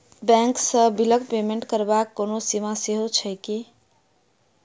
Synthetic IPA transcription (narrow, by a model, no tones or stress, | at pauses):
bɛ̃ŋksəbiləkpemeɳʈkəɾbakːonosimaseɦot͡ʃʰəjki